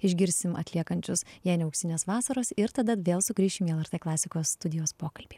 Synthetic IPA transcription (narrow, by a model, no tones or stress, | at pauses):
ɪʒʲɡʲɪɾʲsʲɪmɐ̰t̪ʲlʲiɛkɐnʲt͡ʃʲʊsjɛɪnʲɛɐʊksʲɪnʲeːsʋɑːsɐɾoːsɪɾt̪ɐd̪ɐʋʲeːlˠsʊkɾʲiːʃʲɪmiɛlˠɛɾt̪eːklˠɑːsʲɪkoːsːt̪ʊd̪ʲɪjoːspoːkɐlʲbʲiː